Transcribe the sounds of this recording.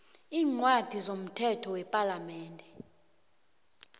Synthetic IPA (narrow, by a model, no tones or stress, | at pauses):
iːŋ͡ǀwad̥ʱizom̩tʰɛtʰɔwɛpʼalamɛːndʱɛ